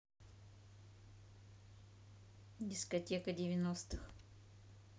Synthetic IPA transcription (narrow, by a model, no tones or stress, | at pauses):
dʲɪskɐtʲekədʲɪvʲɪnost̪ɨx